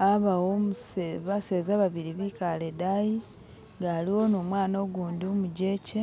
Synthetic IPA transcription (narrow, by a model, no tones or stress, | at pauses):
aβawomuseβase̞ːzaβaβiɾiβikaledaji | ŋɡaliwo̞nomwaːno̞ɡuːnduomuɟe̞ːce